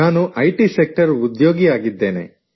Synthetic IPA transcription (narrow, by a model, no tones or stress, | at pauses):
aːnuʔɐjʈisek̚ʈɐɾud̪joːɡiaːɡid̪ːeːnḛ